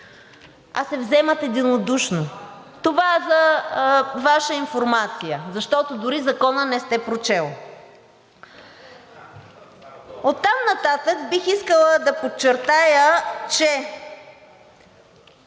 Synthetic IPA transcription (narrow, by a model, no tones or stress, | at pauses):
ɐ̰sɛvzɛmət̪ɛd̪inod̪uʃnot̪ovaɛzɐ | vaʃəinfoɾmat̪sijəzɐʃt̪ɔt̪od̪ʊɾizɐkɔnənɛst̪ɛpɾot͡ʃɛlˠ | ot̪ːamnɐt̪at̪əkbixiskəlˠəd̪ɐpot͡ʃːɛɾt̪ajət͡ʃɛ